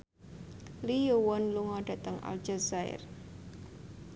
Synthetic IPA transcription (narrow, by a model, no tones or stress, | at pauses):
lijowɔnluŋɔɖ̥ä̤t̪əŋʔa̰l̥d͡ʒ̥asaɪ̰r